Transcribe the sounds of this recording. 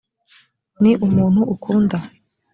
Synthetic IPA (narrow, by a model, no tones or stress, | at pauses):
niʔumuːn̥huʔukʰuːnda